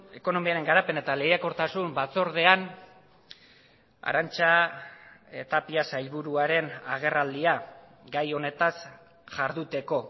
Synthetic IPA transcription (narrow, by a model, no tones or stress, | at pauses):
e̞ko̞no̞miaɾe̞ŋɡaɾape̞ne̞t̪aleɣjako̞ɾt̪asumbat͡so̞ɾðe̞an | a̰ɾant͡ʃa | e̞t̪apiasajlβuɾuaɾe̞naɣ̞e̞rald̪ia | ɡajo̞ne̞t̪as | ʝaɾðut̪e̞ko̞